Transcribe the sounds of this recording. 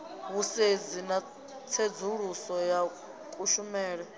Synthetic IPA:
βused͡zina | t͡sʰed͡zuɺusɔja | kʼuʃumɛːɺɛ

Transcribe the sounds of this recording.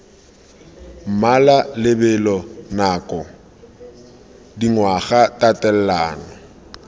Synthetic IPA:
m̩malalɪbɛlɔnaːkʼɔ | diŋwaɣatʼatʼɛl̩laːnɔ

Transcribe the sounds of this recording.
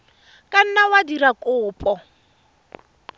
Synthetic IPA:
kʼan̩nawadiɾakʼʊːpʼɔ

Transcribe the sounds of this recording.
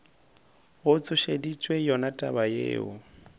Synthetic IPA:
ɣʊt͡sʰʼʊʃedit͡ʃʼwejɔnatʼabajḛːʊ

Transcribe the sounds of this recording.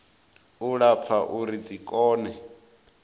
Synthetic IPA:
uɺap̪fʰaʔuɾid͡zikʼɔːnɛ

